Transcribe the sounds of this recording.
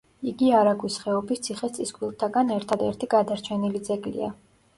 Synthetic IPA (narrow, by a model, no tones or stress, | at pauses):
iɡiaɾaɡwisχɛɔbist̪sʰiχɛt̪sʼiskʰʼwilˠt̪ʰaɡanɛɾt̪ʰad̪ɛɾt̪ʰiɡad̪aɾt͡ʃʰɛnilid̪zɛɡlḭa̰